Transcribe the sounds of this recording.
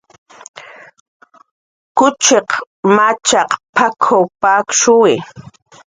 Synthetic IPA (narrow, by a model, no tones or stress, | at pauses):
kʊt͡ʃeq | mat͡ʃɑqpʰakʰowpakʃʊwɪ